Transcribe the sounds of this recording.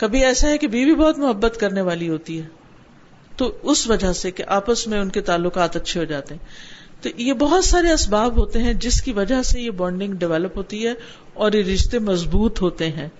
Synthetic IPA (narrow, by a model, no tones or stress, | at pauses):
kɐbʱiɛːsaɦɛkebʱiːbʱibɔːt̪mʊɦəbːət̪kɐɾneʋaːliɦoːt̪iɦɛː | t̪oʊsʋɐd͡ʒasekeʔaːpəsmẽʊnket̪aːlːʊkaːt̪ɐtːʃʰeɦod͡ʒaːt̪eɦɛ̃ːt̪ojebɐɦʊt̪saːɾeɐsbaːbɦoːt̪eɦɛ̃d͡ʒɪskiʋɐd͡ʒaɦsejebɔ̃ːɳɖɪ̃ŋɡɖɪʋɛːləpɦoːt̪iɦɛ | ɔːɾjeɾɪʃt̪emɐzbuːt̪ɦoːt̪eɦɛ̃ː